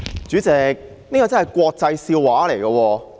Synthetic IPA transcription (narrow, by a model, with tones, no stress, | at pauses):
t͡ʃyː˨˥t͡sɛː˨˧k̚ | niː˥kɔː˨˧t͡snhɐ˨˩jkʷɔː˧k̚t͡sɐ˧jsiː˧wwaː˨˥le˨˩jkɐː˧wɔː˧